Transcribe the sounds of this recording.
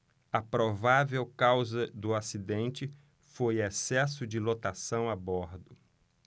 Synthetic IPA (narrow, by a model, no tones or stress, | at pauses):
ɐpɾovavewkawzɐd̪ʊasid̪ẽnt͡ʃɪ | fojɛsɛsʊd͡ʒɪlot̪asɐ̃w̃abɔɾd̪ʊ